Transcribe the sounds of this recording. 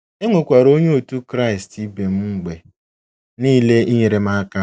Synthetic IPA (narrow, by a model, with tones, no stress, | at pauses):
e˦ŋʷe˨kʷa˨ɾo˦ɲ˦o˨tu˦kɾa˦ɪ˨sti˦be˨m̩˦ŋ͡m̩˦ɡ͡be˨ | niː˦le˦i˦ɲe˨ɾe˨m̩a˦ka˦